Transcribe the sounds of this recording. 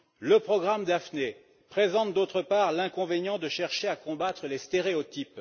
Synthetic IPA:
ləpχɔɡʁamd̪afne | pχezɑ̃t̪̚d̪ot̪χəpaʁlɛ̃kɔ̃venjɑ̃d̪əʃɛʁʃeakɔ̃bat̪χəlest̪eʁeot̪ip

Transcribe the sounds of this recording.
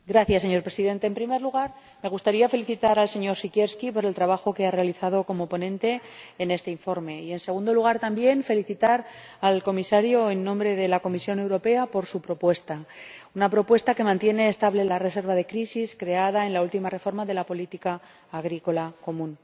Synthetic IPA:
ɡɾaθjasːe̞ɲo̞ɾpɾesiðe̞nt̪e̞ːmpɾime̞ɾluɣ̞aɾ | me̞ɣ̞ust̪aɾiafe̞liθit̪aɾalse̞ɲo̞ɾsikje̞ɾskipo̞ɾe̞lt̪ɾaβ̞axo̞ke̞are̞aliθað̞o̞ko̞mopo̞nẽ̞nt̪e̞ːne̞st̪e̞iɱfo̞ɾme̞ie̞nse̞ɣund̪o̞luɣ̞aɾt̪ambje̞ɱfe̞liθit̪aɾ | alko̞misaɾjoenːõ̞mbɾe̞ðe̞lako̞misjo̞ne̞wɾo̞pe̞apo̞ɾsupɾo̞pwe̞st̪aunapɾo̞pwe̞st̪ake̞mãnt̪je̞ne̞ːst̪aβle̞lare̞s̬e̞ɾβaðe̞kɾisiskɾe̞aðae̞nlault̪imare̞fo̞ɾmaðe̞lapo̞lit̪ikaː | ɣ̞ɾiko̞lako̞mũn

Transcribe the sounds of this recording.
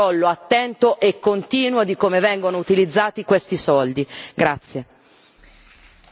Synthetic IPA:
ɔlːoat̪ːɛnt̪oʔekːont̪iːnwod̪ikomevɛŋɡonout̪ilid̪zːaːt̪ikwest̪isɔld̪iɡɾat̪sːje

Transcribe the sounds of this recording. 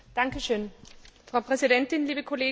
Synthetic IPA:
d̥aŋkəʃøːnfʁaʊpʰʁɛsidɛntɪnliːbəkʰoleː

